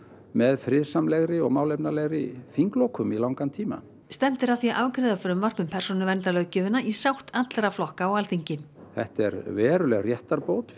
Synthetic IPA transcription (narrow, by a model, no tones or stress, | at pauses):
mɛðfɾɪðsamlɛɣɾɪɔ̰ɣmaːwlɛpnalɛɣɾɪfiŋklowkʰʏmilawŋkant̪ʰiːma̰ | st̪ɛm̥t̪ɪɾaθjiʔavkɾɪːðafɾʏmvar̥pmʏmpʰɛr̥sɔnʏvɛnt̪alœɥcɪvɪnːaʔisawht̪at̪lɾaflɔhkaawalt̪iɲcɪm | θɛ̰ht̪ɛ̰ɾvɛːɾʏlɛɣrjɛht̪aɾpowt̪